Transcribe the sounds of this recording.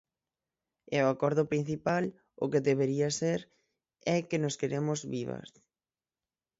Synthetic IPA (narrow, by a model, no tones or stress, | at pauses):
ɛoakɔɾðʊpɾin̟θipal | ʊ̰keðeβeɾiaseɾ | ɛkenoskeɾemʊzβiβa̰s